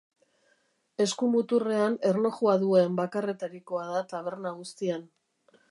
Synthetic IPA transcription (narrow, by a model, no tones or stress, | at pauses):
e̞skumut̪ure̞ane̞rlo̞χuaðue̞mbakare̞t̪aɾiko̞aðat̪aβ̞e̞ɾnaɣust̪ian